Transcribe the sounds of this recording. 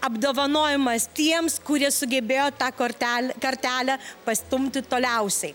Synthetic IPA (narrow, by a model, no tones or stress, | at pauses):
ɐbd̪oːʋɐnoːjɪmɐst̪ʲiɛmskʊɾʲiɛsʊɡʲɛbʲeːjoːt̪ɑːkoɾt̪ʲækɐɾʲt̪ʲæːlʲæpɐsʲt̪ʊmʲt̪ʲɪt̪oːlʲɛʊsʲɛɪ